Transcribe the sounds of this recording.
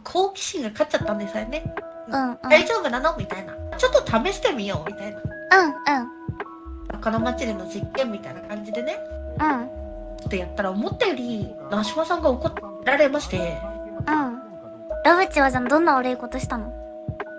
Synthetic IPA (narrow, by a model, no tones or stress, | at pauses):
kʰo̞ːkʲi̥ɕĩŋɡakat͡ɕat̪ːãnd̪e̞saene̞ | ɯ̟̃ɴɯ̃aid͡ʑoːɡananomʲit̪ainat͡ɕo̞t̪ːot̪ʰame̞ɕi̥t̪e̞mʲijo̞ːmʲit̪aina | ɯ̟̃ɴɯ̟̃ɴ | sakanamat͡ɕiɾenːo̞d͡ʑikːẽ̞mːʲit̪ainakãɲ̟d͡ʑid̪e̞ne̞ɯ̟̃ɴ | t͡ɕo̥t̪ːo̞jat̪ːaɾaomo̞t̪ːajo̞ɾʲi | naːɕimasãŋɡaoko̞ | ɾaɾe̞maɕi̥t̪e̞ | ɯ̟̃ɴ | ɾoβɯ̟t͡ɕiβad͡ʑand̪õ̞nːaβaɾɯ̟iko̞t̪o̞ɕi̥t̪ano̞